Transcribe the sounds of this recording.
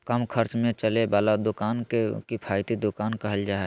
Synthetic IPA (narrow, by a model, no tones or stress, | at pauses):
kəmkʰəɾt͡ʃmẽt͡ʃəlebaːlad̪ʊkaːnkekipʰaːɪt̪id̪ʊkaːnkəɦəld͡ʒaːe